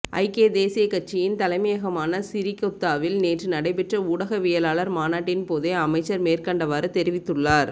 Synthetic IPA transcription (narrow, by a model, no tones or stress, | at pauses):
ʔɐ̰ɪkeːd̪eːsɪjɐkːɐʈ̚t͡ʃːɪjɪnt̪ɐlɐɪmɐjɐɣɐmaːnɐsɪɾɪkːɔt̪ːaːʋɪlneːʈrɯnɐɽɐɪpɛʈrɐuːɽɐɣɐʋɛjɐlaːɭɐɾmaːnaːʈːɪnpoːðeɐmɐɪt͡ʃːɐɾmeːrkɐɳɖɐʋaːɾɯt̪ɛɾɪʋɪt̪ːɯɭːaːɾ